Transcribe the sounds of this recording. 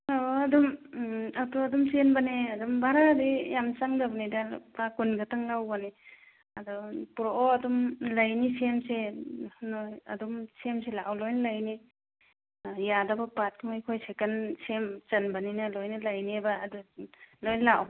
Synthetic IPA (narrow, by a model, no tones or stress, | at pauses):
oɐdumatuɐdumsenbaneɐdumbaɾadijamt͡ʃaŋdabnida̰pakunɡataŋlawbane | ɐdɔpuɾoʔɔɐdumlajnisemsenojɐ̰dumsemselaʔawlojnlajni | jadabapat̚kmojkʰojsekansemt͡ʃɐnbaninɐlojnalajnebaːdulojnlaʔw